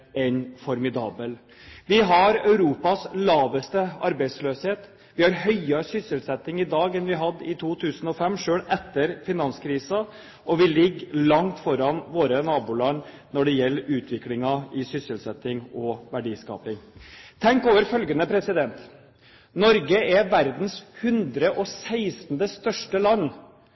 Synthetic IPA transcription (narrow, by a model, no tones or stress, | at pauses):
ɛnfɔɾmɪd̪ɑːbəl | ʋɪɦɑɾœʉɾuːpɑslɑːʋəst̪əɑɾbɛɪd̪sløːsheːt̪ | ʋɪhɑɾhœʏɑsʏsːəlsɛt̪ːɪŋɪd̪ɑːɡɛnʋɪɦɑd̪ːɪt̪ʰuːt̪ʰʉːsənɔfɛmːʂøːɽɛt̪ːəɾfɪnɑnskʰɾiːsɑ | ɔʋɪlɪɡːlɑŋt̪fɔɾɑnʋoːɾənɑːbuːlɑnː | nɔɖɛjɛlːəʉːt̪ʰʋɪklɪŋɑɪsʏsəlsɛt̪ːɪŋɔʋæɖiːskɑ̰ːpɪŋt̪ʰɛŋkoːʋəɾfœlɡənəpʰɾɛsɪd̪ɛnt̪ | nɔɾɡəʔɛʋæɾd̪n̩shʉnd̪ɾəʔɔsæɪsn̩d̪əst̪œʂʈəlɑnː